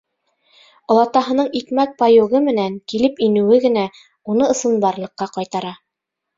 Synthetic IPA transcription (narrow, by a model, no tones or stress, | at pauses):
ŏlˠɑt̪ɑɦɤ̆nɤɴik̪mæk̚pɑjoɣɤmɘ̆næŋkilɘpinɘ̆wɘɡɘ̆næ | unɤɤ̆sɤ̆nb̪ɑɾlˠɤ̆qːɑqɑjt̪ɑɾɑ